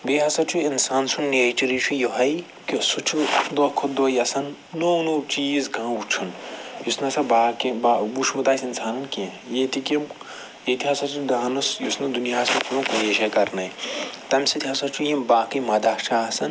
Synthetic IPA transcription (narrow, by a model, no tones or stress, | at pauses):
beɦɐsɐt͡ʃʰuinsaːnsunnːeːt͡ʃiɾit͡ʃʰujoɦɐj | kosut͡ʃʰud̪okʰod̪ojɐsɐnː | oːnut͡ʃiːzkãːut͡ʃʰunjusnɐsɐbaːkibabuʃʰmɐt̪aːsinsaːnɐnkẽjet̪ikim | jet̪ʰiɦɐsɐt͡ʃʰund̪aːnusjusnud̪unijaːsɐpʰulũkojeʃɐkɐɾnɐjt̪ɐmsit̪ʰiɦɐsɐt͡ʃʰujimbaːkimɐd̪at͡ʃʰaːɐsɐn